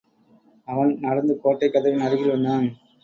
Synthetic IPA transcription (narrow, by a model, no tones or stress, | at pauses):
ɐʋɐnnɐɽɐnd̪ɯkoːʈːɐɪkːɐðɐʋɪnɐɾɪɣɪlʋɐnd̪aːn